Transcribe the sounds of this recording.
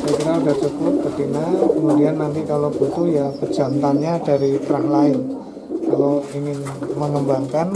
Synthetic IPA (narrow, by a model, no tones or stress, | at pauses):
sakiɾaudaht͡ʃukʊp̚bərd̪inakəmudianːant̪ikalob̥ut̪uljabə̥d͡ʒa̤nt̪anɲada̤ɾipəɾahlaɪn | kaloiŋɪnməŋəmbaŋkan